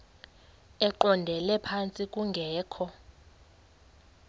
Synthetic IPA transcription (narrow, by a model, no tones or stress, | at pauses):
ɛǃɔndʱɛlɛpʰant͡sʼikʼuŋɡʱɛːkʰɔ